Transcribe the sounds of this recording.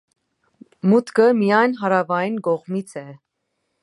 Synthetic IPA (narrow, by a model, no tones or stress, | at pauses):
mut̪kəmijɑjnɦɑɾɑvɑjinkɔʁmit͡sʰɛ